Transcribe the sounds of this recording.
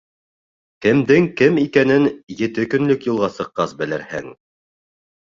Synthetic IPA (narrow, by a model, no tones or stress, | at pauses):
kɘ̆md̪ɘŋkɘmikænɘnjɘ̆t̪ɘkɵ̆nlɵkjŭlˠʁɑsɤ̆qːɑsbɘ̆lɘ̆ɾhæ̰ŋ